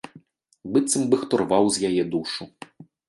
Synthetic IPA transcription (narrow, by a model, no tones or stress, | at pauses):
bɨt̪sɨmbɨxt̪ɔrvawzʲjajɛd̪uʂu